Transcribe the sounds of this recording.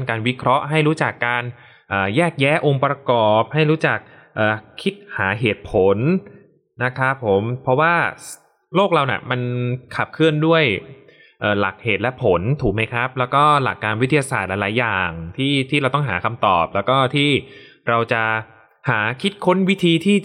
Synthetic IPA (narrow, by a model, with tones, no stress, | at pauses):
nkaː˧nwi˦˥kʰɾɔ˦˥ʔɦa˥˩jɾuː˦˥t͡ɕa˨˩kːaː˧n | ʔəː˨˩jɛː˥˩k̚jɛː˦˥ʔo˧ŋpɾa˧kɔː˨˩p̚ha˥˩jɾuː˦˥t͡ɕa˨˩k̚ | ʔɤː˨˩kʰːi˦˥t̪̚haː˩˦ɦeː˨˩t̪̚pʰo˨˩˦n | na˦˥kʰa˦˥pʰːo˨˩˦mpʰɾɔ˦˥waː˥˩ | loː˥˩k̚ɾa˧wnḭ˨˩ma˧nkʰa˨˩p̚kʰɯ˥˩əndu˥˩əj | ʔɤː˨˩la˨˩k̚heː˨˩t̪̚lɛ˦˥pʰo˩˦nt̪ʰuː˨˩˦ma˦˥jkʰɾa˦˥p̚lɛː˦˥wkɔː˥˩la̰˨˩kːaː˧nwt̪ʰːi˧ja˧saː˨˩t̪̚la˧˥la˨˦jːaː˨˩ŋt̪ʰiː˥˩t̪ʰiː˥˩ɾa˧wt̪ɔ˥˩ɦaː˩˦kʰa˧mt̪ɔː˨˩p̚lɛː˦˥wkɔː˥˩t̪ʰiː˥˩ | ɾa˧wt͡ɕa˨˩ | haː˩˦kʰi˦˥t̪̚kʰo˦˥nwi˦˥t̪ʰiː˧t̪ʰiː˥˩